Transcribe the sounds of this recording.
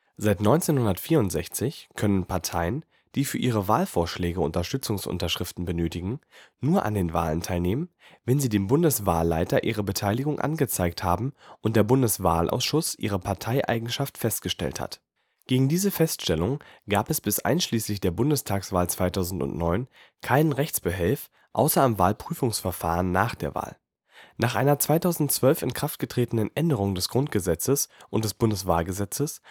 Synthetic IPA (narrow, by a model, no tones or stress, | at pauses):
z̥aɪtnɔʏnt͡seːnhʊndɐtfiːɐʊntz̥ɛçt͡sɪçkʰœnənpʰaɐtʰaɪən | d̥iːfyːɐʔiːʁ̞əvaːlfoːɐʃlɛːɡəʊ̰ntɐʃtʏt͡sʊŋsʔʊ̰ntɐʃʁ̥ɪftn̩bənøːtɪɡŋ̩nuːɐʔa̰ndeːnva̰ːləntʰaɪlneːmən | vɛnziːdeːmbʊndəsv̥aːlːa̰ɪtɐʔiːʁ̞əbətʰaɪlɪɡʊŋʔa̰nɡət͡saɪkthaːbm̩ʔʊntd̥eːɐbʊndəsv̥a̰ːlʔa̰ʊsʃʊsʔḭːʁ̞əpʰaɐtʰaɪʔa̰ɪɡŋ̩ʃaftfɛst̚ɡ̥əʃtɛ̰ltha̰t | ɡ̥eːɡŋ̩diːzəfɛstʃtɛlʊŋɡ̥aːpɛsb̥ɪsʔa̰ɪnʃliːslɪçd̥eːɐbʊndəstʰaːksv̥aːlt͡sv̥aɪtʰaʊzn̩tʊ̰ntnɔʏn | kʰaɪnənʁɛçt͡sb̥əɦɛlf | ʔa̰ʊsɐamva̰ːlpʁ̥yːfʊŋsfɛɐfa̰ːʁənːaːχd̥eːɐva̰ːl | naːχʔaɪnɐt͡sv̥aɪtʰaʊzn̩tt͡sv̥œlfɪnkʁ̥aft̚ɡ̥ətʁ̥eːtən̩ənʔɛndəʁʊŋdɛsɡ̥ʁʊntɡ̥əzɛt͡səsʔʊnt̚d̥ɛsb̥ʊndəsv̥a̰ːlɡəzɛt͡səs